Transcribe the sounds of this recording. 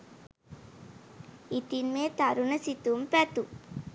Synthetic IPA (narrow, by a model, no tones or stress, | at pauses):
it̪ːinmeːt̪ɐɾunɐsit̪ːumpɛt̪u